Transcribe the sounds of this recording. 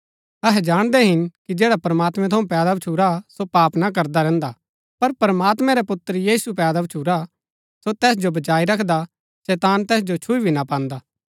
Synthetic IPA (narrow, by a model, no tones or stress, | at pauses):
ɐɦɛd͡ʒaːɽ̃d̪ɛɦɪnkid͡ʒɛːɽapɾɐmaːt̪mɛ̃t̪ʰɐũpɛːd̪abt͡ʃʰuɾasopaːpnak̬ɐɾd̪aɾɛ̃ːnd̪a | pɐɾpɾəmaːt̪mɛ̃ɾɛpʊt̪ːɾjiːsupɛːd̪abt͡ʃʰuːɾa | sot̪ɛːs̬d͡ʒobɐt͡ʃaːiɾɐkʰd̪a | sɛːt̪aːnt̪ɛːs̬d͡ʒot͡ʃʰʊibʱinapãːnd̪aː